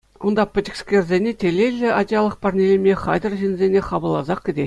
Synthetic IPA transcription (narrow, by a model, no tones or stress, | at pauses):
ond̪ɑpʲtʲɪksʲkʲerʲzʲenʲetʲelʲelʲːɘɑdʲejɑlˠɤ̆qpɑrnʲelʲemʲeχɑjd̪ɤ̆rʑinʲzʲenʲeχɑbɤ̆lˠːɑzɑq̚kʲɘ̆d̪ʲe